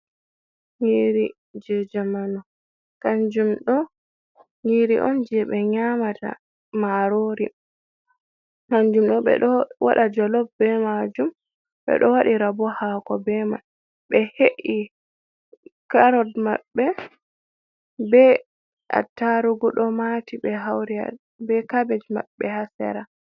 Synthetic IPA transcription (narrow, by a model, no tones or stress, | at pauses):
ŋiɾi | d͡ʒɛd͡ʒamanɔ | kaɲd͡ʒumɗɔ | ŋiɾiʔɔnd͡ʒɛɓɛɲamata̰ | maɾoɾi | kand͡ʒumɗɔɓɛ̰ɗɔwa̰ɗad͡ʒɔlɔb̚bɛmad͡ʒum | ɓɛ̰ɗɔwaɗiɾabɔhaːkɔbɛma | ɓɛheʔi | kaɾɔdmaɓːɛ | bɛ | a̰tːaɾuɡuɗɔmatiɓɛɦawɾia̰ | bɛkabɛd͡ʒma̰ɓːɛhasɛ̰ɾa